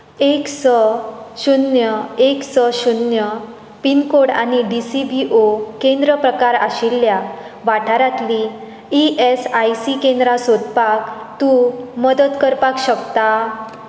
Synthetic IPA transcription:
eksɔɕunjəeksɔɕunjə | pinkoɽa̰niɖisibiʔokẽnd̪ɾəpɾəkaɾa̰ɕilːja | ʋaʈʰaɾat̪li | iʔesajsikẽnd̪ɾasod̪pak | t̪uməd̪ət̪kəɾpakɕəkt̪a

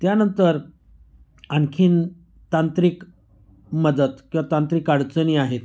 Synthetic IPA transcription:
t̪janənt̪əɾ | ankʰiːn | t̪ant̪ɾiːk | məd̪əd̪kĩw̃ʋat̪ant̪ɾiːkaɽt͡səniaɦet̪

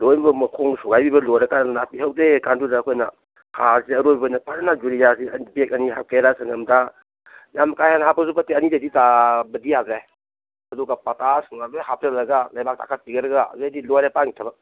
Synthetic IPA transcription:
lojbɐmɐkʰoŋsuɡajbibɐlɔjɾɐkannapiɦawdekandudaːkʰojna | hʰasiɐɾobbɔjnɐpananad͡ʒuɾijasiɐnibek̚ɐniɦa̰wkeɾasaŋɐmda | jamkajhanhapʰɐsupɐteɐnideditabɐdijaɡɾa | ɐduɡapatasŋnalojɦap̚tɐlɐɡalajbak̚tʰa̰kʰat̚piɡɐɾɐɡa̰zejdilɔjɾapaŋitʰɐba

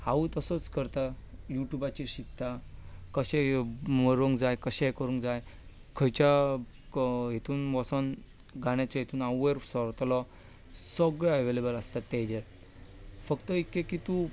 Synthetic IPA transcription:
haʋut̪əsɔt͡skəɾt̪ajuʈjubat͡ɕiɕit̪ːakəɕẽməɾʋəŋkd͡zajkəɕɛjkəɾũŋkd͡zaj | kʰəjt͡ɕa | ɦet̪uːnʋɔsən | ɡaɽ̃jat͡ɕeɦet̪uːnaweɾsəɾt̪lɔ | səɡɭɛəʋelebəlast̪at̪ːed͡ʑeɾ | fəkt̪əikːekit̪u

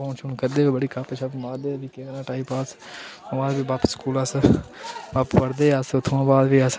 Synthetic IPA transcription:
õːt͡ʃʰunkəɾd̪eːoːbəɽiːkəpət͡ʃʰəpmaːɾd̪eːbiːkẽɾãːʈaːipaːsõãːd̪biːbaːpəskuːlas | əppəɾd̪eːəsʊt̪ʰːʋãːbaːd̪biːəs

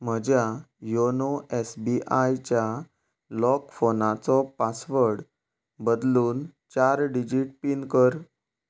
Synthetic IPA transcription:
m̤əd͡ʑjajonoesbiʔajt͡ɕja | lɔkfonat͡sɔpasʋəɾɽ | bəd̪luːnt͡ɕaɾɖid͡ʑiʈpinkəɾ

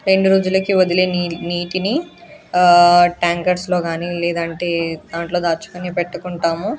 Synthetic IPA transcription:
ɾe̞ɳɖuɾoːd͡ʒulɐkiʋod̪ileːnniːʈini | ʈaːŋkɐɾslo̞ːɡaːnilɛːd̪ɐɳʈe̞ːd̪aːɳʈlo̞ːd̪aːɾt͡ʃu̥kɐnipɛʈːɐkuɳʈaːmu

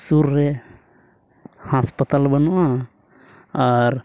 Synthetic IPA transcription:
suɾːɛ | haspət̪albənuʔa | aɾ

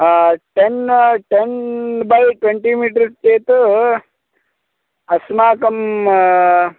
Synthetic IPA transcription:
ʈenʈenbɐjʈweɳʈiːmiːʈ̬ɐɾst͡ʃeːt̪ | ɐsmaːkɐm

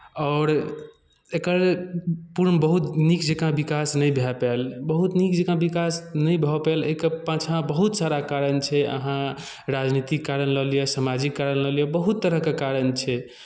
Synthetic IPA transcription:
ɔʊɾ | ekəɾlepuɾnbəɦut̪nikd͡ʒekãbikasnəjbʱɛpɛlbəɦut̪nikd͡ʒekãbikasnəjbʱɛpɛlə̰ikepãt͡ʃʰãbəɦut̪saɾakaɾənt͡ʃʰɛə̰ɦã | ɾad͡ʒnit̪ikːaɾənləɦlijesamad͡ʒikːaɾənləɦljebəɦut̪ːəɾəɦkekaɾənt͡ʃʰɛ

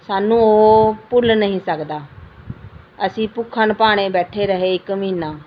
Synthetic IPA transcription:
saːnũːoːpʊlnəɦĩːsəkd̪aː | əsĩːpʊkʰːənpaːɽ̃eːbɛːʈʰeːɾəɦeːɪkmĩːnaː

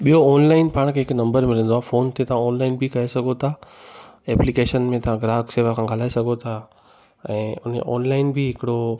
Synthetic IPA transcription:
ɓijoːnlaːɪnpaːɽ̃kʰeːɦɪknɐ̃mbəɾmɪlə̃nd̪oaːfoːnt̪ʰet̪ɐʋ̤ãɔːnlaːɪnbʱɪkɐɦesɐɡʱot̪ʰa | ɛːplikeːʃənmẽt̪ɐʋ̤ãɡɾaːkseːʋakʰãɡʱɐlaːesɐɡʱot̪ʰa | ɛ̃ːʊn̤ḛʔɔ̰ːnlaːɪnbʱɪɦɪkɪɽo

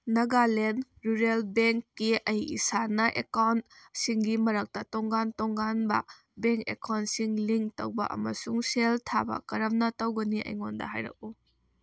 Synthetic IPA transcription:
nɐɡalen | ɾuɾelbeŋkːiɐjḭsanɐʔekawnt̚siŋɡimɐɾɐk̚tɐtoŋɡantoŋɡanbɐ̰ | beŋkekawntsiŋliŋtɐ̰wbɐ̰ʔɐ̰mɐsuŋseltʰa̰bɐ̰kɐɾɐmnɐtɐwɡɐniʔɐ̰jŋondɐ̰ɦa̰jɾɐ̰k̚u

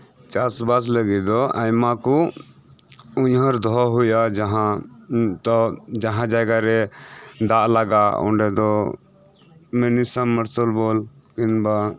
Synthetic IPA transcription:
t͡ʃasbas̬ləɡɛd̪ɔajmakɔ | uɲɦɔɾd̪ʱɔɦujad͡ʒaɦã | t̪ɔd͡ʒaɦãd͡ʒajɡaɾɛd̪aʔlaɡaɔ̰ɳɖɛd̪ɔ | mɛnisamːəɾsɔlbɔl | kinba

